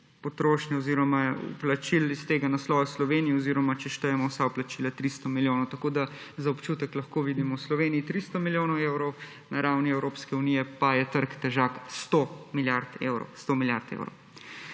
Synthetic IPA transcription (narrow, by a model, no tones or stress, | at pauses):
pɔt̪ɾoːʃnɛɔziɾɔmaṵplat͡ʃilist̪eːɡanaslɔːjɛslɔʋenijiɔziːɾɔmat͡ʃɛʃt̪əjɛmɔwsawplat͡ʃiːlat̪ɾist̪ɔmiljoːnɔwt̪ɐkoːd̪a | zaɔpt͡ʃuːt̪ɛklɐxkoːʋiːd̪imɔwslɔʋeːnijit̪ɾiːst̪ɔmiljoːnɔwewɾɔw | naɾawniɛwɾoːpskɛunijɛpajɛt̪əɾkt̪ɛʒakst̪omiljaɾt̪ḛːwɾɔ̰wst̪omilja̰ɾt̪ḛwɾɔ̰w